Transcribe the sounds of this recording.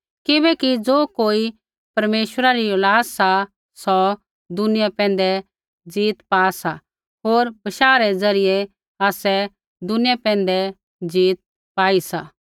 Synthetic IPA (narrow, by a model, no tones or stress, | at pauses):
kɪbɛkid͡zoːkoːi | pɐɾmeːʃwəɾaɾiʊlaːsːa | sɔ | d̪ʊnɪjapɛ̃ːn̆d̪ɛ | d͡ziːt̪paːsa | ɦoːɾbɐʃaːɾɛd͡zɐɾɪjɛ | aːsɛ | d̪ʊnɪjapɛ̃ːnd̪ɛ | d͡ziːt̪̚ | paːisa